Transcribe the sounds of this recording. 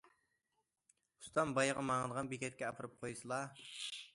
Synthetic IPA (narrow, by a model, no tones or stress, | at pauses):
u̥st̪ɑmbɑjəʁɑmɑŋəd̪ˠəʁɑnbikʲɛt̪̚kʲɛɑpʰɨɾɨp̚qʰojsɨlˠɑ